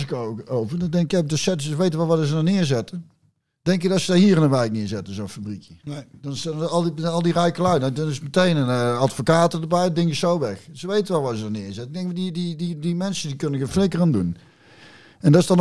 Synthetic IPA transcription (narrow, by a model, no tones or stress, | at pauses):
ɪkoowvəɹdɔndɛŋkɪɛbdəsɛtsəʋejtənʋɛlˠʋadəzədɔnɪːəɹzɛtə | dɛŋk̬ɪk̚dɔsədaɹɦiːəɾɪnənʋɛjk̚nɪəɹzɛtənzownfabrikjədɑnsɑlˠiɑlˠdirɛjkəlaɥdɑnɪsmətejnənatfokaːtədəbɛjdɪŋəsowʋɛxzəʋejtənʋɛlˠʋazədanɪːɹzɛtnɪɡ̚dɛŋkmadidididimɛnsəndikɵnənɡəflɪŋkərandun | ɛndɪsdɑn